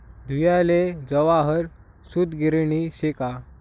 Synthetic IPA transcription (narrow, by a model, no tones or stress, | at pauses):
d̪ʱujaled͡zəʋaɦəɾ | sud̪ɡiɾɳiɕeka